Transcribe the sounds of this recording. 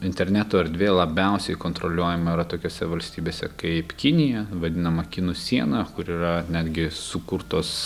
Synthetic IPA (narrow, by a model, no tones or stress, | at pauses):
ɪnʲt̪ʲɛɾʲnʲæːt̪oːɐɾʲd̪ʲʋʲeːlˠɐbʲɛˑʊsʲɛɪkoːnt̪ɾoːlʲuɔjɛmɐiːɾɐt̪oːkʲoːsʲɛʋɐlʲsʲt̪ʲiːbʲeːsʲɛ̰kɐɪpkʲɪnʲɪjɛʋɐd̪ʲɪnɐmɐkʲɪnusʲiɛnɐkʊɾiːɾɐnʲæːd̪ʲɡʲɪsʊkʊɾt̪oːs